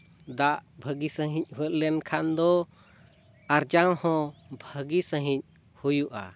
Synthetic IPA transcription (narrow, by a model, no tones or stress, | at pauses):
d̪aʔbʱəɡisə̃ɦĩc̚ˀhuət̪̚lɛnkʰand̪ɔ | aɾd͡ʒawhɔ̃bʱəɡisə̃ɦĩc̚ | hujuʔa̰